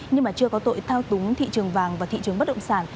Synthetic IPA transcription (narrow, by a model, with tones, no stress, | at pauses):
ɲɨ˧ŋmaː˨˩t͡ɕɨ˧əkɔ˨˦t̪o̰˧˨jt̪ʰaː˧wt̪ʊ˨˦ŋ͡mt̪ʰḭ˧˨t͡ɕɨ˨˩əŋvaː˨˩ŋvaː˨˩t̪ʰḭ˧˨t͡ɕɨ˨˩əŋ͡mə˦˥t̚ɗə̰˧˨ŋ͡msaː˧˩n